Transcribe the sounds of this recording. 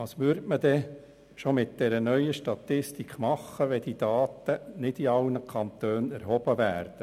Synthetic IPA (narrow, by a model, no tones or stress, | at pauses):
ɑːsʋʉɾtməd̥̪ɛ | ʃomɪt̪̚d̥ɛɾənœʏəʃtɑt̪ɪst̪ikχmɑχːəʋɛd̥id̥̪ɑːt̪ənɪd̥̪iɑlnəkʰɑnt̪øːnæɾɦɔb̥əʋæːɾd̥ə